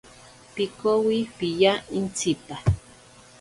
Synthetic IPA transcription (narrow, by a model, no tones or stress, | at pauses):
pikowipijaint͡sipa